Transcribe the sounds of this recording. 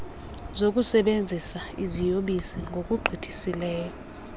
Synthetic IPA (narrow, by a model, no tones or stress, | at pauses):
zok̬ʼusɛɓend͡zʱisaizijoɓisiŋɡʱok̬ʼuɡ͡ǃʱid̥ʰʱisilɛːjɔ